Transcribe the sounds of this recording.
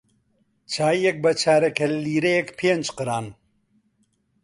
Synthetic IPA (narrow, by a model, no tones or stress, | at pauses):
t͡ʃʰaːiɛk̚bɐt͡ʃʰaːɾɛkɐlliːɾejɛkpʰeːnd͡ʒqɨɾaːn